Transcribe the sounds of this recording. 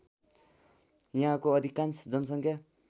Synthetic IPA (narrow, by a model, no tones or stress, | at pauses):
jʌɦãkoʌd̪ʱikansd͡zʌnʌsʌŋkʰja